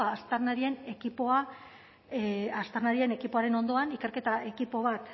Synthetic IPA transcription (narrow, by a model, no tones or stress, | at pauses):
aːst̪aɾnaɾie̞ne̞kipoa | ast̪aɾnaɾie̞ne̞kipo̞aɾe̞no̞nd̪o̞anike̞ɾke̞t̪aʔe̞kipo̞β̞at̪